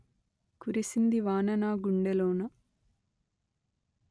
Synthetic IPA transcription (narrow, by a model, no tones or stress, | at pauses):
kuɾisind̪iʋaːnɐnaːɡuɳɖeloːnɐ